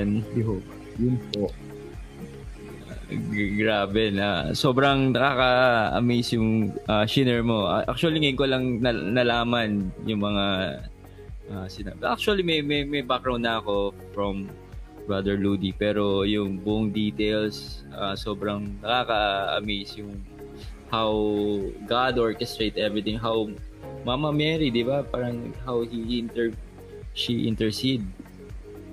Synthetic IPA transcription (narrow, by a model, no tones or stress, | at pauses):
nɪɦop | jʊnpo | ɡɹaːbɛnaso̞ːbɾɐŋnɐkaːkɐɐ̰mijsjʊŋʔaʃɪnɛɹmo̞ʔʔa̰k̚t͡ʃʊɐliŋɐjʊnkolɐŋnɐnɐlaːmɐnjʊŋmɐŋa | ʔaːsɪna̰bʔak̚t͡ʃʊɐlimɐjmɐjmɐjbak̚ɡɾɹaw̃nd̪nɐɐko̞ | fɹɐm | bɹad̪ɛɹlud̪ipɛːɾo̞jʊŋbʊʔʊŋd̪iːt̪ejlsʔasoːbɾɐŋnɐkaːkɐʔɐ̰mejsjʊŋ | hawɡad̪ʔoɹkɛst̪ɹejt̪ʔɛvɹit̪ɪ̃ŋɦawmamɐmɛɾid̪ɪbapaːɾɐŋhawhiɪnt̪ɛɹ | ʃiʔɪ̰̃nt̪ɛɹsid̪̚